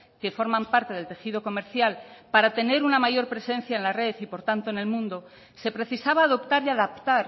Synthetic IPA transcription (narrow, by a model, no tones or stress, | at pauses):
ke̞fo̞ɾmãmpaɾt̪e̞ð̞e̞lt̪e̞xið̞o̞ko̞me̞ɾθjalpaɾat̪e̞ne̞ɾunamaʝo̞ɾpɾe̞sẽ̞n̟θjaenlare̞θipo̞ɾt̪ant̪oene̞lmũnd̪o̞ | se̞pɾe̞θisaβaːðo̞pt̪aɾiaðapt̪aɾ